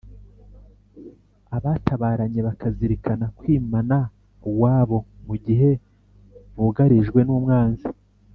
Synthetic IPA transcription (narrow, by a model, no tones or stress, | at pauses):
aβataβaːɾaɲe̞βakaziɾikanakwiːmana | uwaːβo̞muɟiɦe̞ | βuɡaɾiʒɡwe̞nuːmŋaːnzi